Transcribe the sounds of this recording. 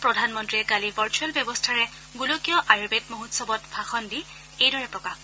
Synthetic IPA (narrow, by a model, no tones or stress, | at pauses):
pɹɔdʱanmɔntɹiɛkalivəɹt͡ʃuɛlbjɔbɔstʰaɹɛ | ɡulokijɔʔajɹbetmoɦutsɔbɔtpʰaxɔndi | ejdɔɹɛpɹɔkax